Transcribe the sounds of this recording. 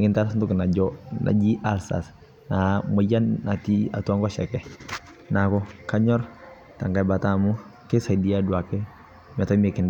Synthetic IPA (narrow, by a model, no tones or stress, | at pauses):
ŋɪntaɾsntuknad͡ʒɔnʔa̰d͡ʒiʔalsa̰s | namɔjanːatia̰tuaŋkɔʃɛkɛ | nakɔkaɲɔr | taŋɡajbatamu | kɛsadiaduakɛ | mɛtɔmɛkɪn